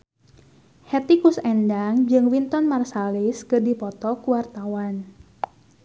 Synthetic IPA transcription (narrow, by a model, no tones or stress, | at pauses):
hɛt̪ikusɛndaŋd͡ʒɨŋwint̪ɔnmarsaliskɨrdipɔt̪ɔkuwart̪awan